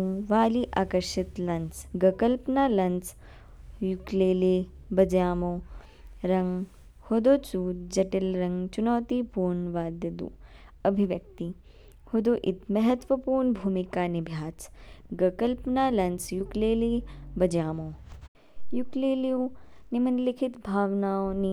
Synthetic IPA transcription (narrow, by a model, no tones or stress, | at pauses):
ʋaːliʔaːkɐɾʃɪt̪lɐnt͡sɡɐkɐlpnaːlɐnt͡s | jukleːle | bɐd͡ʒjaːmoː | ɾɐŋɡ | hod̪oːt͡suːd͡ʒɐʈɪlɾɐŋɡt͡ʃunoːt̪ipuːɾnʋaːd̪jɐd̪ṵːɐbʱiʋjɐk̚t̪i | hod̪oːʔɪt̪mɐɦɐt̪ʋɐpuːɾnbʱuːmikaːnibʱjaːt͡sɡɐkɐlpnaːlɐnt͡sjukleːlibɐd͡ʒaːmoː | jukleːliũ | nimɐnlɪkʰɪt̪bʱaːʋnaːoni